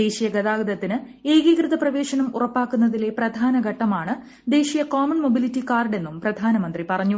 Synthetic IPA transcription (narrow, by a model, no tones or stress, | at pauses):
d̪e̞ːɕijɐɡɐðaːɡɐd̪ɐt̪ːinɨ | e̞ːɣikrɨðɐprɐʋe̞ːɕɐnɐmṵrɐpːaːkːunːɐðile̞prɐd̪ʱaːnɐɡʱɐʈːɐmaːɳɨ | d̪e̞ːɕijɐkoːmɐnmo̞bilitːikaːrɖe̞nːumprɐd̪ʱaːnɐmɐnd̪ripɐrɐɲːu